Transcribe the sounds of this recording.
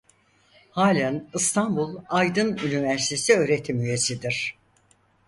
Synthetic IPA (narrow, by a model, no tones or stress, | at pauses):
haːlʲænɯst̪ʰanbulˠajd̪ɯnynivæɾsi̥t̪ʰe̞siø̞ːɾe̞t̪ʰimyje̞sid̪iɾ̥